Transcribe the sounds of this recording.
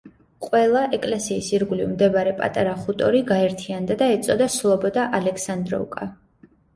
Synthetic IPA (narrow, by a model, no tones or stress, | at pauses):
qʼwɛlˠaʔɛkʼlɛsiːsiɾɡlivmd̪ɛbaɾɛpʼa̰t̪ʼaɾaχut̪ʼɔɾiɡaɛɾt̪ʰiand̪ad̪aɛt̪sʼɔd̪aslˠɔbɔd̪aʔalɛkʰsand̪ɾɔ̰ukʼa